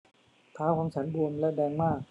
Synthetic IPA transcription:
t̪ʰaː˦˥wkʰa˧ŋt͡ɕʰa˦˥nbu˧əmlɛ˦˥˩dɛː˧ŋmaː˥˩k̚

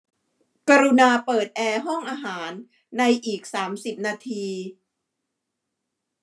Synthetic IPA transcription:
ka˧ɾu˧naː˧pɤː˨˩t̪̚ʔɛː˧ɦɔ˥˩ŋʔaː˧ɦaː˩˦nː | a˧jʔiː˨˩k̚saː˩˦msi˨˩p̚naː˧t̪ʰiː˧

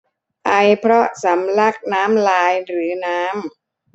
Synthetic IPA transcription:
ʔa˧jpʰɾɔ˦˥sa˩˦mla˦˥˩k̚naː˦˥mlaː˧jɾɯː˩˦naː˦˥m

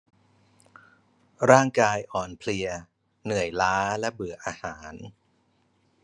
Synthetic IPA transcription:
ɾaː˥˩ŋkaː˧jʔɔː˨˩npʰli˧ə | nɯ˨˩əjlaː˦˥lɛ˦˥bɯ˨˩ɐʔaː˧haː˩˦n

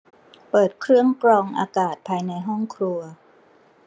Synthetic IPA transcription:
pɤː˨˩t̪̚kʰɾɯ˥˩əŋkɾɔː˧ŋʔa̰ː˧kaː˨˩t̪̚pʰaː˧jna˧jɦɔ˥˩ŋkʰɾu˧ɐ

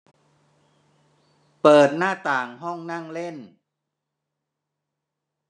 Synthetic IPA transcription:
pɤː˨˩t̪̚naː˥˩t̪aː˨˩ŋɦɔ˥˩ŋna˥˩ŋle˥˩n

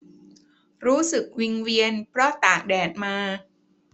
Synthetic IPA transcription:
ɾuː˦˥sɯ˨˩k̚wi˧ŋwi˧ənpʰɾɔ˦˥t̪aː˨˩k̚dɛː˨˩t̪̚maː˧

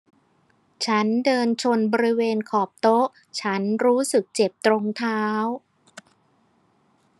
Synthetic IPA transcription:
t͡ɕʰa˦˥ndɤː˧nt͡ɕʰo˧nbɔː˧ɾi˦˥weː˧nkʰɔː˨˩p̚t̪o˦˥ʔ | t͡ɕʰa˦˥nɾuː˦˥sɯ˨˩k̚t͡ɕe˨˩p̚t̪ɾo˧ŋt̪ʰaː˦˥w

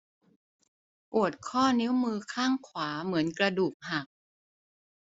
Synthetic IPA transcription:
pu˨˩ət̪̚kʰɔː˥˩ni˦˥wmɯː˧kʰaː˥˩ŋkʰwaː˩˦mɯ˩˦ənkɾa˧duː˨˩k̚ha˨˩k̚

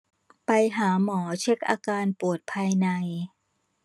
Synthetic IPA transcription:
pa˧jɦaː˩˦mɔː˩˦t͡ɕʰe˦˥k̚ʔa̰ː˧kaː˧npu˨˩ət̪̚pʰaː˧jna˧j

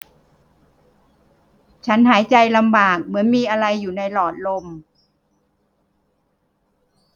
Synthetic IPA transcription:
t͡ɕʰa˦˥nɦaː˩˦jt͡ɕa˧jla˧mbaː˨˩k̚mɯ˩˦ənmiː˧ʔa˧ɾa˧jːuː˨˩na˧jlɔː˨˩t̪̚lo˧m

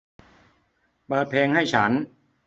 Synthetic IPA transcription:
pɤː˨˩t̪̚pʰeː˧ŋha˥˩jt͡ɕʰa˦˥n

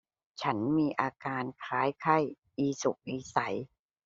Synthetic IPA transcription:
t͡ɕʰa˦˥nmiː˧ʔaː˧kaː˧nkʰaː˦˥jkʰa˥˩j | ʔiː˧su˨˩k̚ʔiː˧sa˩˦j

